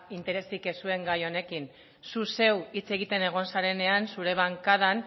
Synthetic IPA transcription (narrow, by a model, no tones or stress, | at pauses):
int̪e̞ɾe̞sike̞sue̞ŋɡajo̞ne̞kin | suse̞wit͡se̞ɣ̞it̪e̞neɣ̞o̞nsaɾe̞ne̞ansuɾe̞β̞aŋkað̞an